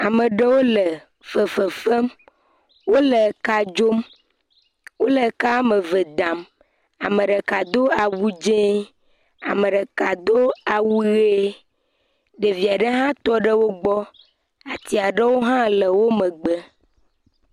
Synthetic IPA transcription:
a˨mə̃˨ɖə˦wo˦lə˨ | fə˨fə˨fə˦m | wo˦le˨ka˨d͡ʒo˦m | wo˦le˨ka˦me˨ve˨d̪ã˨m | a˨mə̃˨ɖe˨ka˨d̪o˦a˨wu˦d͡ʒẽ˦ | a̰˨meə̃˨ɖe˨ka˨d̪o˦a˨wu˦ɣe˦ | ɖe˨vi˨a˨ɖə˦ɦã˦t̪ɔ˦ɖə˦wo˦ɡ͡bɔ˦ | a˨t̪i˦a˨ɖə˦wo˦ɦã˦lə˨wo˦mə̃˨ɡ͡bə˦

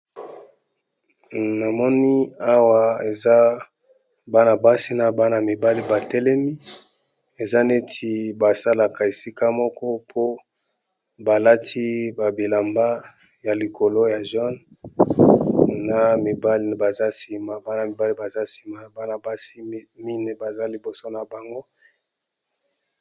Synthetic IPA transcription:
na˨mɔ˦ni˦a˦wa˦e˨za˦ | ba˦na˨ba˦si˦na˨ba˦na˨mi˨ba˦li˦ba˨tɛ˦lɛ˦mi˦ | e˨za˦ne˦tʰi˨ba˨sa˦la˨ka˨e˨si˦ka˦mɔ˦kɔ˦pʰo˦ | ba˨la˦tʰi˦ba˨bi˨la˨mba˦ | ja˨li˨ko˨lo˦ja˨ʒɔ˦n | na˨mi˨ba˦li˦˨ba˨za˦si˨ma˨ba˦na˨mi˨ba˦li˦ba˨za˦si̥˨ma˨a˨ba˦na˨ba˦si˦mi˦ne˨ba˨za˦li˨bo˨so˦na˨ba˨ŋɡo˦

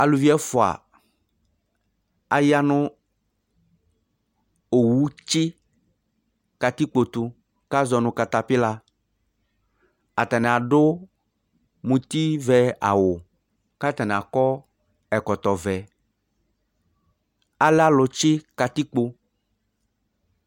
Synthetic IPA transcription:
a˨lu˨vi˦ɛ˦fʊ˨a̰˨ | a˨ja˦nʊ̃˦ | o˨wu˦t͡ʃɪ˦ | ka˨t̪i˦k͡po˨t̪u˨ | ka˦zɔ˨nʊ̃˨ka˨t̪a˨pɪ˦la˨ | a˨t̪a˨nɛ˨a˨ɖʊ˦ | mũ˨t̪i˦vɛ˦a̰˨wo˨ | ka˦t̪a˨nɛ̃˨a˨kɔ˦ | ɛ˨kɔ˨t̪ɔ˨vɛ˨ | a˨lɛ˦a˦lʊ˨t͡ʃɪ˦ka˨t̪i˦k͡po˦

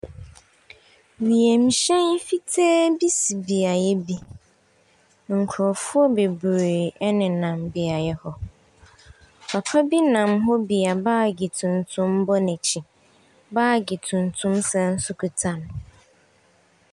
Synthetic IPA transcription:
wi˨e˨m̩˨ɕɛ̃˦n˦fi˦tʰɛː˦bi˦si˨bi˨a˨jɛ˦bi˦ | ŋ̩˨kʰɾɔ˨fʊ˦ɔ˦be˨bɾe˨ɛ˦nɪ̃˨nã˨mbi˨a˨jɛ˦hɔ˦ | pʰa˨pʰa˦bi˦nã˨mɦɔ˦bi˨a˨baː˦˨ɡi˨tʰʊ̃˨n˨tʰʊ̃˦m˦bɔ˦nɛ̃˨t͡ɕʰĩ˨ | baː˦˨ɡi˨tʰũ˨n˨tʰʊ̃˦msɛ̃˨n̩˦sʊ˦kʰu˨tʰã˨n

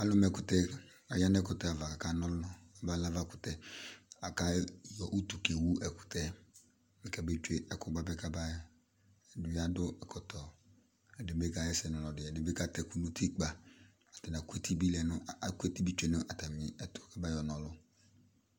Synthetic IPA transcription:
a˦lʊ˦mɛ˨kʊ˨tɛ˦ | a˨ja˦nɛ˦kʊ˨tɛ˦a˨va˨ka˨ka˨nɔ˦lʊ˦ʊ˦a˨ba˦la˦va˦˨kʊ̥˨tɛ˦a˨ka˦jɔ˨ʔu˦tu˨ke˨wu˦ʔɛ˨kʊ̥˨tɛ˦ | mɪ˨kɛ˨be˦t͡ʃe˦ʔɛ˨kʊ˨ba˦bɛ˦ka˦ba˦ | ɛ˨dʊ˨ja˦dʊ˦ɛ˨kɔ˨tɔ˨ | ɛ˨de˨be˦ka˦jɛ˦sɛ˨nɔ˨lɔ˨dɪ˨ɛ˨de˨be˦ka˦tɛ˨ku˨nu˦ti˦k͡pa˨ | a˨tɛ˨na˨ku˦e˦tʰi˦bi˦lɛ˨nʊ˦˨ku˦e˦ti˦bi˦t͡ʃe˦nʊ˦ʔa˨ta˨mɪ˨ɛ˨tʊ̥˨ka˦ba˦jɔ˨nɔ˨lʊ˦

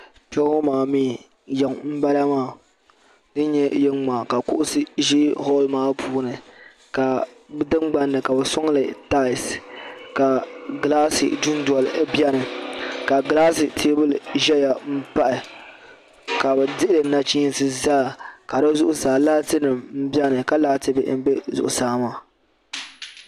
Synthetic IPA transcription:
pɛ˦o˦maː˨miː˦˨ | jɛ˨ŋm̩˦ba˦la˦maː˦˨ | dɨ˦ɲɛ˦jɛ˦ŋŋ͡ma˨ka˨kʊ˦ʔʊ˦sɨ˦ʒi˦hɔ˦lmaː˨˦pʰuː˦nɨ˨ | ka˨ | bdɨ˦ŋ͡mɡ͡ba˦nːɨ˨ka˨bɛ˨sʊ˦ŋ˦lɨ˨ta˦ɪ˨ska˨ɡlaː˦sɨ̰˨du˦n˦dɔ˨lɨ˨˦bjɛ˦nɨ˨ka˨ɡlaː˦sɨ˨tʰeː˦bɨ˦lʒɛ˦ja˨m̩˦pa˦ʔɪ˨ | ka˨bɛ˨dɨ˦ʔɪ˦lɨ˨na˨t͡ʃi˦n˦sɨ˦zaː˦˨ka˨dɨ˦zʊ˦ʔʊ˦saː˨laː˦tɨ˦nɨ˨mm̩˦bjɛ˦nɨ˨ka˦laː˦tɨ˦bɨ̰˦m̩˦bɛ˦zʊ̰˨ʔʊ˨saː˨˦maː˦˨

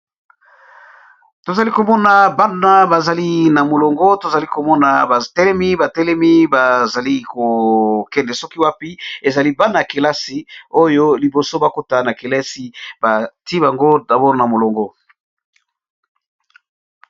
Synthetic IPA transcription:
to˨za˨li˦ko˨mɔ˦na˨ba˦na˦ba˨za˨li˦na˨mo˨lo˨ŋɡɔ˦to˨za˨li˦ko˨mɔ˦na˨ba˨tɛ˦lɛ˦mi˦ba˨tɛ˦lɛ˦mi˦ba˨za˨li˦ko˨kɛ˦ndɛ˨sɔ˦ki˦wa˦pi˦e˨za˨li˦ba˦na˦˨a˨ke˨la˦si˨o˦jo˦li˨bo˨so˦ba˦ko˦ta˦na˨ke˨lɛ˦si˦ba˨ti˦ba˨ŋɡo˦da˨bɔ˦ʁna˨mo˨lo˨ŋɡɔ˦

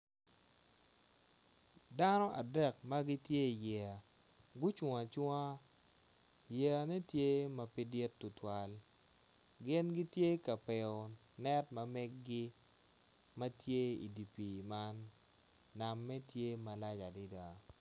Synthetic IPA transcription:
da˦nɔ˦ʔa̰˨dɛ˦˨kma˦ɡɪ˦tje˦i˨jɛ˨a˨ | ɡʊ˦t͡ʃwa˨t͡ʃwa˦ | jɛ˨a˨nɛ˦tje˦mɐ˨pi˦dɪ˦tːʊ˨twa˨l | ɡɪ˦nɡɪ˦tje˦ka˨pɛ˨ɔ˨ | nɛ˦tmɐ˨mɛ˦ɡːɪ˦ | mɐ˦tje˦ḭ˨di˨pi˨ma˦nː | a˨mːɛ˦tje˦ma˨la˦d͡ʒa˨di˦da˨

